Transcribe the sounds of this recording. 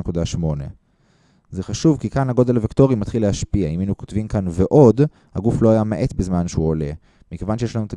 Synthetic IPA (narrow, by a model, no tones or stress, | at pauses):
ekudaʃmo̞ne̞̰ | ze̞χaʃuvkikanhaɡo̞d̪elavikt̪o̞ʁimat̪χilehaʃpiaiminukot̪vimkanveʔo̞d̪ | haɡuflo̞ajameʔe̞t̪bezmanʃeuole̞̰ | mikevanʃejeʃlanut̪a